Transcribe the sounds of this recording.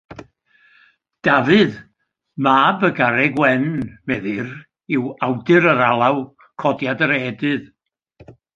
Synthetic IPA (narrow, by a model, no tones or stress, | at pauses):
d̥avɨð | maːbəɡaɾɛɡwɛnmɛðɨr | ɪwawdɨɾəɾalˠaw | kʰɔdjadəɾɛdɨð